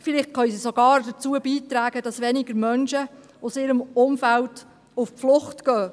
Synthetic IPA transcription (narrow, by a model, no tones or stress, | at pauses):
fɪlɪχtχœɥsisɔɡ̥ɑːɾd̥ət͡suːəbiːtɾæːɡ̥əd̥ɑsʋɛnɪɡ̥əɾmœnʃə | ʊsɪːɾəmʊmfælt | ʊfpflʊχtɡ̥œː